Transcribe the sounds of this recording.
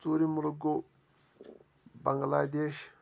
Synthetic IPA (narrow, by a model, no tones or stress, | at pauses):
suːɾimuluɡo | bɐŋɡlaːd̪eːʃ